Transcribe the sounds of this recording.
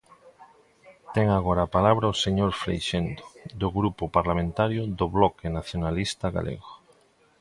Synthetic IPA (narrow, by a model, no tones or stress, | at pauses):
t̪ɛŋaɣoɾaːpalaβɾaoseɲoɾfɾḛjʃend̪o̥d̪oɣɾupopaɾlamẽnt̪aɾjoðoβlɔkenaθjonalist̪aɣa̰lʔḛɣo